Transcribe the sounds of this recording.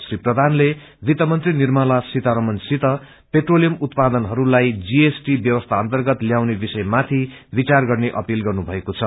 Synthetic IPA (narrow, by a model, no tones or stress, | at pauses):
sriprʌd̪ʱanle | bit̪ʌmʌnt̪rinirmalasit̪aɾʌmʌnsit̪ʌ | peʈrolijʌmut̪pad̪ʌnɦʌɾulajd͡ziesʈibjʌwʌst̪ʰaʌnt̪ʌrɡʌt̪ljawnebisʌjmat̪ʰi | bit͡sarɡʌrneʔʌpilɡʌrnubʱʌekot͡sʰʌ